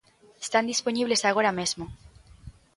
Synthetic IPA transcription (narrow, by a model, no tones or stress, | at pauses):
est̪and̪isponiβlesaɣ̞oɾamezmo